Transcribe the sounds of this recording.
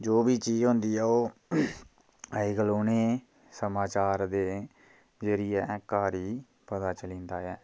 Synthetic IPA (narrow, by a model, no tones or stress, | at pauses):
d͡ʒoːbiːt͡ʃiːd͡ʒɦõːnd̪iːɛːoː | əiːɡəloːneː | səmaːt͡ʃaːɾd̪eː | d͡ʒeːɾiːɛːkaːɾiː | pət̪aːt͡ʃəlĩːnd̪aːɛː